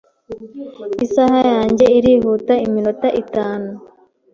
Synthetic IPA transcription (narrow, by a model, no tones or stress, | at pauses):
isaɦajaːɲɟe̞iɾiɦuːtaiminotaʔitaːnu